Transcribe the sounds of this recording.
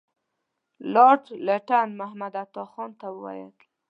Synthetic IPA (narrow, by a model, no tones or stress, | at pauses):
lɑʈlaʈanmahmad̪at̪ɔxɔnt̪awəwa̰jə̰d̪